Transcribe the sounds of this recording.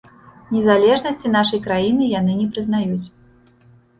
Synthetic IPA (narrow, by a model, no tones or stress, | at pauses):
nʲɛzalʲɛʐnɐsʲt͡sʲin̪aʂɐjkɾajinɨjan̪ɨnʲɛpɾɨznajut͡sʲ